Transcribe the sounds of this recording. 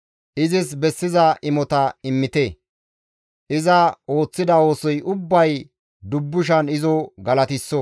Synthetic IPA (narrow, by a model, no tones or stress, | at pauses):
ʔɪzɪsbɛsːɪzɐʔɪmɔt̪ɐɪmːɪt̪e | ʔɪzɐo̞ːt͡sːɪd̪ɐo̞ːsɔjʊbːɐj | d̪ʊbːʊʃ̬ɐnɪzɔɡɐlɐt̪ɪsːɔ